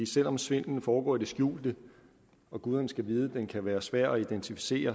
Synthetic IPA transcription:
ḭːsel̰ɒ̽msʋe̝n̰n̩fɒːɡ̥ɒ̰ːid̥e̝sɡ̥jṵːld̥ə | ɒ̽ɡ̥uð̞ˠɐnsɡ̥æʋiːð̞ˠəd̥enkʰæʋæːɐsʋæɐ̰ɒ̽id̥ent͡sʰifi̥se̝̰ːɐ

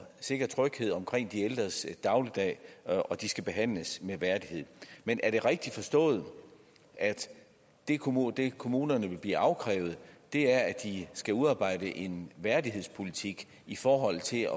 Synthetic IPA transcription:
se̝ɡ̥ɐt͡sʰʁœɡ̥he̝ð̞̰ˠɒ̽mkʰʁeŋ̰d̥ield̥ʁɐsd̥ɑ̈ʊlid̥ɛ̰ːɒ̽d̥isɡ̥æb̥e̝ɦæn̰ləsmeʋæɐd̥ihe̝ð̰ˠmenʔæɐɾ̥e̝ʁɛɡ̥̚d̥i̥fɒ̽sd̥ɔ̰̽ːð̩ˠ | ʔæd̥ | e̝kʰd̥e̝kʰo̝muːnɐnəʋe̝lb̥lḭːʔɑ̈ʊkʰʁɛ̰ːʊð̞̩ˠd̥e̝æɐæd̥isɡ̥æuðˠɑ̈ːb̥ɑ̈ɪ̰dəʔe̝nʋæɐdiɦe̝̰spʰo̝lit͡sʰiɡ̥ | ifɒːɦɒ̽l̰t͡sʰe̝lɒ

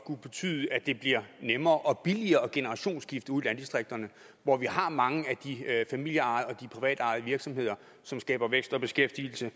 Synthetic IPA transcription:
kʰub̥e̝t͡sʰy̰ːð̞ˠəæd̥e̝b̥liɐnemɐːʔɒ̽b̥iliɐːɒ̽ɡ̥e̝nəʁɑ̈ɕo̝̰ːnsɡ̥ifd̥uðˠilænd̥isd̥ʁeɡ̥̚d̥ɐnə | ʋɒʋihɑ̈mɑ̈ŋəæd̥ifæmil̰jəɑ̈ð̩ˠɒ̽d̥ipʰʁiʋɛ̰ːd̥ɑ̈ːð̞̩ˠʋiɐɡ̥sɒ̽mhe̝ð̰ˠɐ | sɒ̽msɡ̥ɛ̰ːb̥ɐʋeɡ̥sd̥ɒ̽b̥e̝sɡ̥efd̥il̩sə

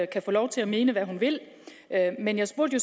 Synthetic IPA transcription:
kʰæfɔ̽ːlɒʊt͡sʰe̝læme̝ːnəʋæɦunʋe̝l̰ | ʔømenjɑ̈ɪsb̥uɐ̰d̥jo̝s

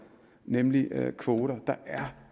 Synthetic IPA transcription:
nemlikʰʋo̝ːɾɐd̥ɑ̈ʔæɐ

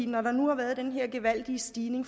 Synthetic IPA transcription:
ḭnɒɾɑ̈nuhɑ̈ʋæːɐð̞ˠd̥enɦeɐ̰ɡ̥eʋæl̰d̥iəsd̥iːne̝ŋf

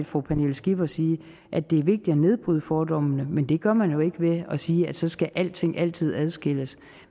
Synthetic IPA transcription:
d̥fʁopʰænelsɡ̥ib̥ɐsiː | ʔæd̥e̝æɐʋe̝ɡ̥̚d̥id̥ɒne̝ð̞ˠb̥ʁyðˠəfɒːd̥ɒ̽m̰ənəmend̥e̝ɡ̥ɶɐmænjo̝e̝ɡ̥əʋe̝ɒ̽siːæd̥sɒ̽sɡ̥æʔæl̰d̥t͡sʰe̝ŋ̰ʔæl̰t͡sʰið̞̰ˠæð̞ˠsɡ̥el̰əs

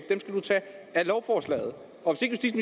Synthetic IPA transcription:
d̥emsɡ̥æd̥ut͡sʰɛ̰ːælɒʊfɒːslɛ̰ːɪð̞̩ˠ | ɒ̽ʋese̝ɡ̥sd̥ismi

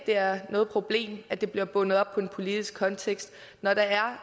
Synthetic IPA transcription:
d̥e̝æɐnɔ̽ːð̞̩ˠpʰʁo̝b̥le̝̰ːmæd̥e̝b̥liɐb̥ɔ̽nð̩ˠɒ̽b̥̚pʰɒ̽e̝npʰo̝lid̥isɡ̥̚kʰɒ̽nt͡sʰeɡ̥sd̥ | nɒɾ̥ɑ̈æɐ

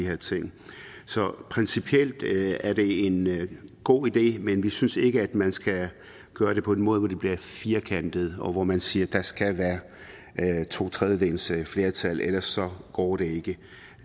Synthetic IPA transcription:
ihe̝ɐt͡sʰe̝ŋ̰sɒ̽pʰʁɛnsipʰiel̰d̥æɐɾe̝e̝nɡ̥o̝̰ːid̥e̝̰ːmenʋisynse̝ɡ̥əæd̥mænsɡ̥æ | ɡ̥ɶːɐɾ̥e̝pʰɒ̽e̝nmɔ̽ːð̞ˠʋɒd̥e̝b̥liɐfiːɐkʰæn̰d̥ð̞̩ˠɒ̽ʋɒmænsiːɐd̥ɑ̈sɡ̥æʋæːɐ | t͡sʰo̝̰ːt͡sʰʁɛðjədḛːnsəfle̝ːɐt͡sʰæl̰elɐsɒ̽ɡ̥ɒ̰ːɾ̥e̝e̝ɡ̥ə

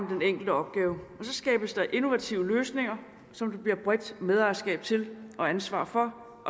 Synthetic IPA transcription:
d̥eneŋ̰ɡ̥l̩d̥əɒ̽b̥̚ɡ̥ɛːʊɒ̽sɒ̽sɡ̥ɛ̰ːb̥əsd̥ɑ̈ʔe̝no̝ʋæt͡sʰiʊəløːsne̝ŋɐ | sɒ̽md̥ub̥liɐ̰b̥ʁɛd̥með̞ˠɑːɐsɡ̥ɛ̰ːb̥̚t͡sʰe̝lʔɒ̽ænsʋɑ̰̈ːfɒ̽ | ʔɒ̽

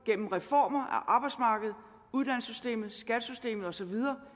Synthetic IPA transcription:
ɡ̥en̰m̩ʁɛfɒ̰ːmɐʔæ̰ʔɑ̈ːb̥ɑ̈ɪdsmɑ̈ːɡ̥əð̞̩ˠ | uð̞ˠd̥æn̰sysd̥e̝̰ːmð̩ˠsɡ̥æd̥sysd̥e̝̰ːmð̞̩ˠɒ̽sɒ̽ʋið̞ˠɐː

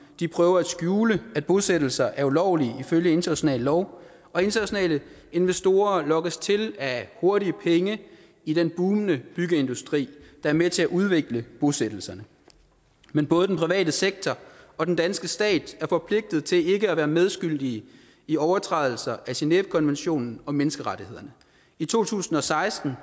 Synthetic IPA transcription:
d̥ipʰʁœːʊɐæd̥sɡ̥juːləæd̥̚b̥o̝sed̥l̩sɐʔæɐulɒʊ̰liiføljəe̝nd̥ɐnæɕo̝nɛ̰ːllɒʊ | ɒ̽e̝nd̥ɐnæɕo̝nɛ̰ːlə | e̝nʋesd̥o̝ːɐlɒ̽ɡ̥əst͡sʰe̝læho̝ɐɾiəpʰeŋə | id̥enb̥uːnnəb̥yɡ̥əe̝nd̥usd̥ʁḭːd̥ɑ̈æɐmet͡sʰe̝æʔuð̞ˠʋe̝ɡ̥ləb̥o̝sed̥l̩sɐnə | menb̥ɔ̽ːð̞̩ˠd̥enpʁiʋɛ̰ːdəseɡ̥̚t͡sʰɒɒ̽d̥end̥ænsɡ̥əsd̥ɛ̰ːd̥æɐfɒ̽pʰle̝ɡ̥̚d̥ð̞̩ˠt͡sʰe̝le̝ɡ̥əæʋæːɐmeð̞ˠsɡ̥yl̰d̥iə | iɒʊɐt͡sʰʁɑðˠl̩sɐʔæsineb̥̚kʰɒ̽nʋenɕo̝̰ːnn̩ɒ̽menəsɡ̥əʁɑɾihe̝ð̞̰ˠɐnə | it͡sʰo̝̰ːt͡sʰṵːsn̩ɒ̽sɑ̈ɪsd̥n̩

